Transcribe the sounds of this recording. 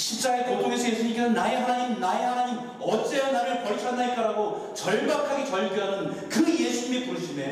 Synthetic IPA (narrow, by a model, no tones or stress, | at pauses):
ɕʰip̚t͡ɕ͈aetodoɡesʰʌje̞sʰuɲik͈enɯnːaeɦanaɲimnaehanaɲim | ʌt͡ɕ͈eʌnaɾɯɭpʌɭt͡ɕʰʌnːaɭk͈aɾaɡo | t͡ɕʌɭbakʰaɡet͡ɕʌɭɡjoɦanɯn | kɯje̞sʰuɲimepoɾiɕʰide